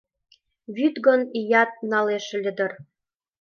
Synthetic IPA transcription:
βyt̪ɡonijɑt̪̚nɑleʃ̆lʲɘ̆d̪ɤ̆r

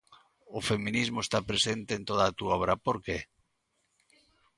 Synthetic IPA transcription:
ofemĩnizmoest̪apɾesent̪eːnt̪oð̞aːt̪uoβɾapoɾke

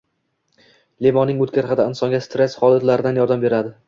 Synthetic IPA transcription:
levɒnːɪŋot̪̚kʲaɾχad̪aɪnsɒŋɡʲast̪ɾesχɒlˠat̪laɾɪd̪anjɒɾd̪ambe̞ɾad̪ɪ

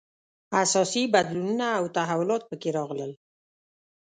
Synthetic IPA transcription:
asɑsibad̪lununaːwt̪aɦawʊlɑt̪̚pəkeɾɑɣləl

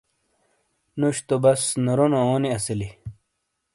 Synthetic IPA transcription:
nuɕt̪obɐsnoɾonooːniɐsili

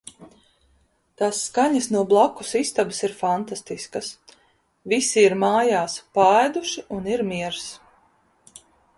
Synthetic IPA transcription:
t̪aːsːkaɲɐsnuɔblˠakusist̪abɪsiɾfant̪ast̪iskɐs | visiiɾmaːjaːspaːjd̪uʃiuniɾmiɛɾs

